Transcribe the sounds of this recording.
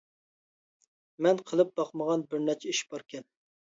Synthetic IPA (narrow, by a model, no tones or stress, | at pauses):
mɛnqʰəlˠɨp̚b̥ɑqməʁɑnbɪɾnɛt͡ʃʰɛiʃbɑɾkʲʰɛn